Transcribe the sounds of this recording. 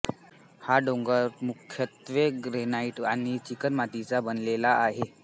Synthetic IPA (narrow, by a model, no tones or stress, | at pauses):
haɖoŋɡəɾmukʰjət̪ʋeɡɾenaiʈaɽ̃it͡ɕikənmat̪it͡sabənlelaaɦe